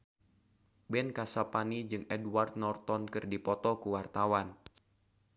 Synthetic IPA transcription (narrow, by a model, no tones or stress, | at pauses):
bɛnkasapanid͡ʒɨŋɛdward̪̚nɔrt̪ɔnkɨrdipɔt̪ɔkuwart̪awan